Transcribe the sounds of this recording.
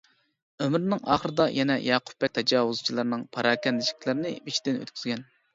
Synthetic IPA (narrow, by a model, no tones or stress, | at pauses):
ømɾnɨŋɑ̰ːχəɾɨd̪ɑjʔɛnɛ̰jɑːqʰʊ̥p̚ːɛk̚ʲt̪ʰɛd͡ʒɑːwuzt͡ʃʰilˠɨɾnɨŋpʰɑɾɑːkʲɛnd̪ɪʃi̥kʲlɪɾɪnɪbit͡ʃʰd̪ɪnø̰t̪kʲyz̥ɡʲɛn